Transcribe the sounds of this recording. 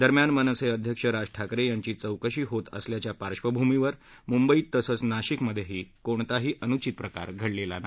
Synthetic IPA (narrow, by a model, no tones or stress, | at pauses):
d̪əɾmjanmənəsəjəd̪ʱjəkʂəɾad͡ʑʈʰakɾejaɲt͡ɕiːt͡səwkəɕiːɦot̪ə̰sljat͡ɕjapaɾʂʋəbʱumiʋəɾ | mumbəiːt̪ːəsət͡snaɕikməd̪ʱːjeɦiːkoɳt̪aɦiːʔənut͡ɕit̪̚pɾəka̰ɾɡʱəɽlela̰na